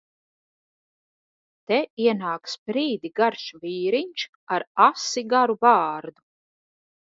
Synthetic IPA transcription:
t̪ɛiɛnaːksbɾiːd̪iɡaɾʃviːɾiɲʲt͡ʃ | aɾasiɡaɾubaːɾd̪u

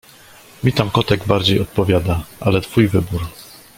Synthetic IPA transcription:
mʲit̪amkɔt̪ɛɡbaɾd͡ʑejɔt̪̚pɔvʲjad̪aʔalɛt̪fujvɘbuɾ

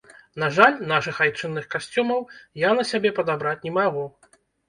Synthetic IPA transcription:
n̪aʐalʲnaʂɨxajt͡ʂɨnːɨxkasʲt͡sʲumɐwjanɐsʲabʲɛpɐd̪abɾat͡sʲnʲɛmaɣu

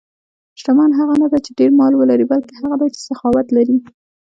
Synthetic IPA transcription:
ʃʈamɑnɦaɣanad̪at͡ʃeɖeɾmɑlwəlaɾibalkehaɣad̪ajt͡ʃe̥saxɑwat̪laɾi

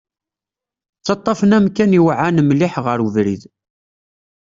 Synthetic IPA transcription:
t͡sːɑt̪ˤːɑfənæmkæniwʕanmliħʁəɾuvɾið

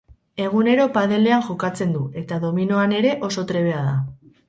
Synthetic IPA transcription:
e̞ɣ̞une̞ɾo̞paðe̞le̞aŋʝokat͡se̞nd̪ue̞t̪aðo̞mino̞ane̞ɾe̞ʔo̞so̞t̪ɾe̞β̞e̞aða

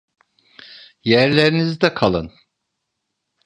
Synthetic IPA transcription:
jæɾlʲeɾinizid̪ɛkʰalˠɯ̰n

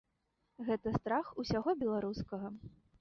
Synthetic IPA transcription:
ɣɛt̪ɐst̪ɾaxusʲaɣɔbʲɛlˠaɾuskɐɣɐ

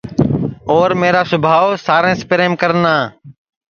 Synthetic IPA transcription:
oːɾmeːɾaːsʊbʱaːosaːɾẽːspɾeːmkəɾnaː

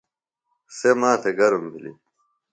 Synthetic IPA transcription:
semaːt̪ʰeɡɐɾumbʱilḭ

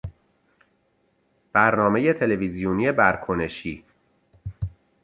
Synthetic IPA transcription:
b̥æɾnɒːme̞je̞t̪ʰe̞levizijoniːe̞bæɾkʰone̞ʃiː

